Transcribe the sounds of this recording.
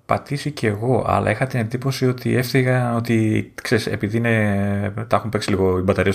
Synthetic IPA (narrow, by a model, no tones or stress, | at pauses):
pɐt̪isice̞ɣo̞ʔɐ̰lʔɐ̰ixɐt̪ine̞nd̪ipo̞sio̞t̪ie̞fθiɣɐno̞t̪ikse̞ɾise̞̰piðiinet̪ɐxumpeksiliɣo̞ibɐt̪ɐɾiɐs